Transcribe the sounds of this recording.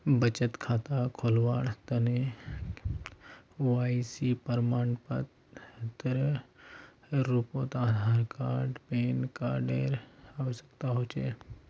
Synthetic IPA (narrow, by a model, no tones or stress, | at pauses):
bət͡ʃət̪kʰaːt̪akʰoːlʋaːɽt̪əne | ʋaːisipəɾmaːnpə̰t̪ | t̪əɾ | ɾuːpõːt̪aːd̪ʱaːɾkaːɾɖpeːnkaːɖeːɾaʋsə̥kt̪aɦoːt͡ʃeː